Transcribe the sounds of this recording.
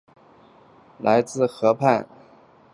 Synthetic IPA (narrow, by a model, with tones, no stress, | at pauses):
la˧˥ɪt͡sɹ̩˥˩xɤ˧˥pʰa˥˩n